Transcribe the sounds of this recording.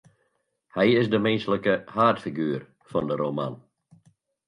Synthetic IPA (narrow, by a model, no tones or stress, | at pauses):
hɛjɪsdəmɛnsləkəhaːrtfiɡyːr | fɔndəɾʔoma̰n